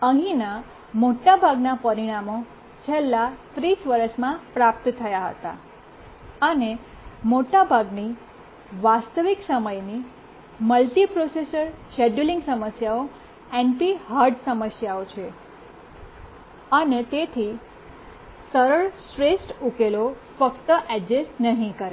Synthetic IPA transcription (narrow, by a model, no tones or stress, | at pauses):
ə̃ɦĩna | moʈabʱaɡnapəɾiɽ̃amo | t͡ʃʰelːat̪ɾisʋəɾəʃmãpɾap̚t̪t̪ʰəjaɦə̰t̪a̰ | əne | moʈabʱaɡni | ʋast̪əʋiksəməjni | məlʈipɾosesəɾʃɛɖuliŋɡsəməsjao | empiɦaɾɖsəməsjaot͡ʃʰe | ənet̪et̪ʰi | səɾəɭsɾesʈukelo | fəkt̪əʔɛd͡ʒesʈnəɦĩkəɾe